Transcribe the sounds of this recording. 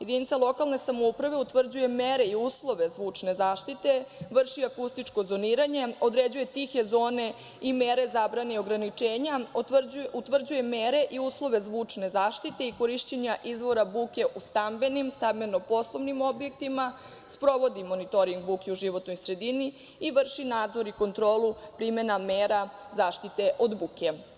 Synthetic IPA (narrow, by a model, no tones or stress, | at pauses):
je̞d̪init̪salˠo̞kalˠne̞samoupɾaʋe̞ut̪ʋr̩d͡ʑuje̞meɾe̞iuːslˠo̞ʋe̞zʋuːt͡ʂne̞zaːʃt̪it̪e̞ʋr̩ʃiakust̪it͡ʂko̞zo̞niːɾaɲe̞o̞d̪ɾed͡ʑuje̞t̪ixezo̞ːne̞ | imeɾe̞zabɾane̞io̞ɡɾanit͡ʂe̞ːɲauut̪ʋr̩d͡ʑuje̞meːɾe̞ʔiuːslˠo̞ʋe̞zʋuːt͡ʂne̞zaːʃt̪it̪e̞iko̞ɾiʃt͡ɕeɲaʔizʋo̞ɾabuːke̞ʔust̪ambe̞nimst̪ambenopo̞slˠo̞ʋnimo̞bjek̚t̪ima | spɾo̞ʋo̞d̪imo̞nit̪o̞ɾiŋɡ̚bukeuʒiʋo̞t̪no̞jsɾe̞d̪ini | iʋr̩ʃinaːd̪zo̞ɾiko̞nt̪ɾo̞ːlupɾimenameːɾazaːʃt̪it̪e̞ʔo̞d̪buːke